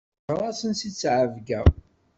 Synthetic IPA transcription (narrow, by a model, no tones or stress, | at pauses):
ɾˤɑsənsit͡sːʕəvɡæ